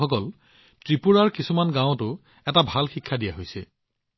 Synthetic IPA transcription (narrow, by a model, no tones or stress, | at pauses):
ɔkɔl | tɹipuɹaɹkisumanɡãʊ̃tʊ | ɛtabʱalxikʰːadijaɦojsɛ